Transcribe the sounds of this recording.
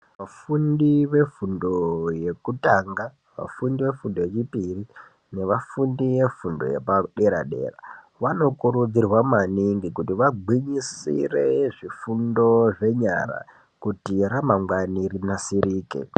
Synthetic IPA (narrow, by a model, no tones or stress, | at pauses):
ʋafundiʋe̞fundo̞je̞kutaŋɡa | ʋa̰fundiʋe̞fundo̞je̞t͡ʃipiri | ne̞ʋafundiʋe̞fundo̞̰jḛpaɗe̞ɾa̰ɗe̞̰ra̰ | ʋano̞kuɾud͡zirwamaniŋɡikutiʋaiɲisḭre̞ʐifundo̞ʐe̞ɲa̰ɾa̰ | kutiramaŋwanirinasiriːkḛ